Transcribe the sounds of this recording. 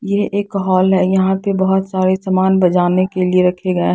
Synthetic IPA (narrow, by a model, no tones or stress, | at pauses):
jeʔeːkɦɔːlɦɛjɐɦãpebɐɦʊt̪saːɾesamaːnbɐd͡ʒaːnekelieɾɐkʰeɡɐe